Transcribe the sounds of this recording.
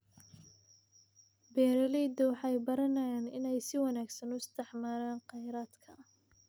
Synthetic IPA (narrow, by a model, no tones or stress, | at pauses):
bɛːɾɐlɛd̪ɔwɑħɑjbɐɾɐnɐjaːnɪnɛjsɪwɑnaːɡsɐnʊst̪ʰɪħmaːɾaːnqɑjɾaːd̪kʰɐ